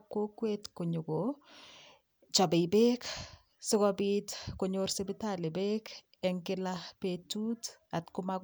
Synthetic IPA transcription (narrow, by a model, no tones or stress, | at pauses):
kːokwetkoɲuɡo | t͡ʃɔbebek | sɪkɔbitkoɲoɾsebitalebek | ɛŋkɪlapetut | atkʊmak